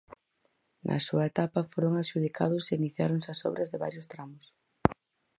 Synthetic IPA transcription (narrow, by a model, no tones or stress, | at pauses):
nʔɐ̰suɐet̪apɐfoɾoŋaʃuð̞ikʰa̰ð̞ʊseiniθjaɾoŋsɐsɔ̰βɾɐzðɪβa̰ɾjʊst̪ɾamʊs